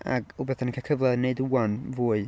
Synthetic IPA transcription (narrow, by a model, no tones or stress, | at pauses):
a̰ɡubɛθənənkʰakʰəvlˠəneɨduːanvuːɨ